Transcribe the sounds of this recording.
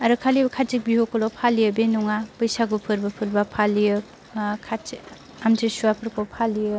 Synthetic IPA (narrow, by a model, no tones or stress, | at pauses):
aɾɯkʰalibakʰat͡ʃik̚biɦokɔlɔpʰalijɯbenuŋapɯjsaɡupʰɯɾbapʰɯɾbapʰalijɯ | kʰai | amtesuapʰɯɾkʰopʰaliɯ